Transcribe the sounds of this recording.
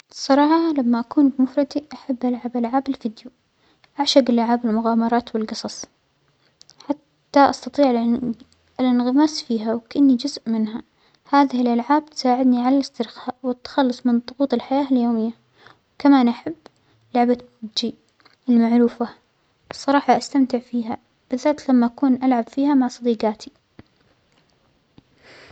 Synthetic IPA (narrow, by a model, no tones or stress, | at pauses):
sˤːɑɾˤɑːħɑlamːaʔakuːnbɪmʊfɾˤɑd̪iʔaħabːʔalʕabʔalʕaːbɪlfɪd̪ju | ʔaʕʃaɡɪlːaʕaːbɪlmʊɣaːmɑɾˤɑːt̪wɪlɡɨsˤɑsˤ | ħat̪ːaʔɑst̪ɑt̪ˤiːʕ | ɪlɪnɣɪmaːsfiːɦawkaʔanːid͡ʒʊzʔmɪnha | haːðɪhɪlʔalʕaːb̚t̪saːʕɪd̪niʕalalɪst̪ɪɾxaːʔwɪt̪ːḁxɑlːʊsˤmɪnt̪ˤːʊɣuːt̪ˤɪlħajaːʔɪljoːmɪjːa | wkamaːnʔaħabː | lʊʕba | d͡ʒi | ɪlːmaʕɾuːfa | wsˤːɑɾˤɑːħɑʔast̪amt̪ɪʕfiːɦa | b̥ɪðːaːt̪lamːaʔakuːnʔalʕabfiːhamaʕsˤɑd̪iːqɑːt̪ʰi